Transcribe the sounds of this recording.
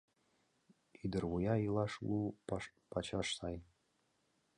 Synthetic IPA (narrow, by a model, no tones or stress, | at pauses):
id̪ɨrwujailaʂlupʰat͡ʃʰaʂsaj